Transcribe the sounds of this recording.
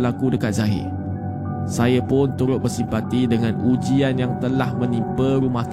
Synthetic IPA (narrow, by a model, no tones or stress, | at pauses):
lakudəkat̪̚zaɦɪ̰ | sajapʊnt̪uɾʊt̪̚bərsimpat̪idəŋãnʔud͡ʒianjaŋt̪əlahmə̃nĩmpəɾumaht̪